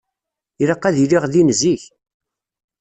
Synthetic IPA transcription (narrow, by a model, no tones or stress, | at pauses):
iɾəqːæðiliʁðinziç